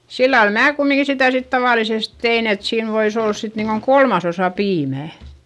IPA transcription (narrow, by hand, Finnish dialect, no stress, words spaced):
silːɑl mæː kumːiŋki sitæˑ sit tɑʋɑˑlises tein et siːn ʋois olːɑs sit niːŋkoŋ kolmɑsosɑ piːmæˑ